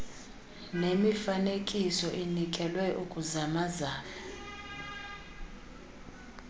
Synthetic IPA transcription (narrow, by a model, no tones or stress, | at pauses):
nemifanekʼisɔʔinikʼɛlwɛʔukʼuzamazaːna